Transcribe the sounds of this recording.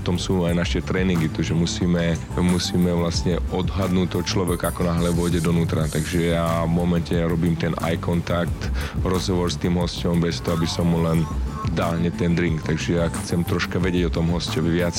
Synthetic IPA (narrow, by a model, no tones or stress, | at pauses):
t̪ɔmsuːajnaʃɛt̪ɾɛːniŋɡit̪ɔʒɛmusiːmɛ | musiːmɛʋlasɲɛɔd̪ɦad̪nuːct̪ːɔt͡ʃlɔʋɛkakɔnaɦlɛʋɔjɟɛd̪ɔnuːt̪ɾat̪aɡʒɛjavmɔmɛncɛɾɔbiːmt̪ɛnʔa̰jkɔnt̪ak̚t̪ɾɔzɦɔʋɔɾst̪iːmɦɔscɔmbɛst̪ɔɦɔabisɔmlɛnd̪aːlɦɲɛt̪ɛnd̪ɾiŋkt̪aɡʒɛjaxt͡sɛmt̪ɾɔʃkaʋɛɟɪɛɟɔt̪ɔmɦɔscɔʋʋɪat͡s